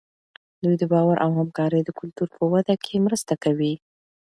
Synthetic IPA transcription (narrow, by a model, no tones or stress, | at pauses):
d̪ujd̪əbɑwaɾʔawhamkɑɾəjd̪əkʊlt̪uɾpʰəwad̪akʰemɾəst̪akawi